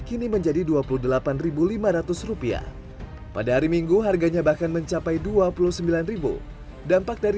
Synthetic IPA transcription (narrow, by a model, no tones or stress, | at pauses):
kiniməɲd͡ʒadiduapuluhdəlapanribulimaɾat̪ʊsrupia̰ | padaɦaɾimiŋɡuɦarɡaɲabahkanməɲt͡ʃapajduapuluhsəmbilanribṵ | dampak̚daɾi